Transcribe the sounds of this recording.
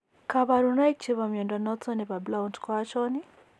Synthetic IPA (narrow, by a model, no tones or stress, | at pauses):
kaβaɾunajk̚t͡ʃiβamjɛndɔnɔt͡sɔnipablauntkɔat͡ʃɔni